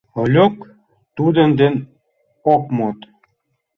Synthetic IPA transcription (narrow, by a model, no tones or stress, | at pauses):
olʲøk | t̪ud̪ənd̪en | okmot̪